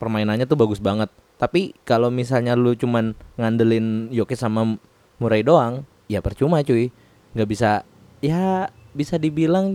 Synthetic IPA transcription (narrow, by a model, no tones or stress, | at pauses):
pərmainanɲat̪ʊhbaɡʊsbaŋət̪̚ːapikalomis̬alɲalut͡ʃumanŋandəlɪnjokesama | muɾaidoaŋ | japərt͡ʃumat͡ʃuɪ | ŋɡaʔbisa | jabisadibilaŋ